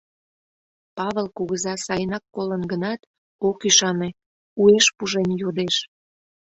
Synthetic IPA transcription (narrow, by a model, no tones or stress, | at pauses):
pɑβelkuɣəzɑsɑjənɑkːolənɡənɑt̪ | okyʃɑne | ueʃpuʒenjod̪eʃ